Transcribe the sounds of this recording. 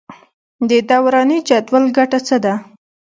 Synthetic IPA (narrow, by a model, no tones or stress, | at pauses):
d̪əd̪awɾɑnit͡ʃɑt̪walɡaʈat͡səd̪a